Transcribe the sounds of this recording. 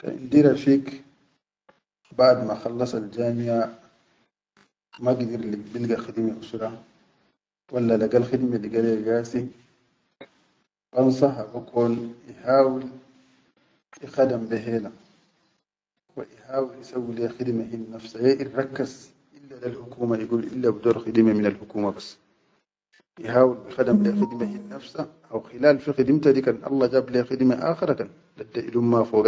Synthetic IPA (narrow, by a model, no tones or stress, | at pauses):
ta̰ʔḭnd̪iɾafiːk | baʕd̪maxɑlːɑsˤald͡ʒaːmiʕa | maɡd̪iɾlibilɡaxid̪maʔusuɾa | walːalaɡalxid̪meliɡalaɡaːsi | b̥ɑnsɑɦabakʰoːnihaːwil | ixadambeɦeːla | wa̰ʔihaːwilisawːilɛxid̪maɦinːafsajɛʔiɾɑkːaz | ʔilːad̪alhʊkuːmaʔiɡuːlʔḭlːabid̪oːɾxid̪maminalhʊkuːmabasː | ʔiɦaːwilbixadamlexid̪mahinːafsaʔawxilaːlfixid̪imt̪ad̪ikanʔɑ̰lˤːɑd͡ʒaːblexid̪maʔa̰ːxiɾakan | dadːaʔilumːafɔːɡa